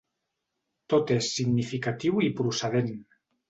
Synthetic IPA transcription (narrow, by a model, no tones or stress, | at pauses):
t̪ot̪esːiɡnifikat̪iwipɾuseð̞en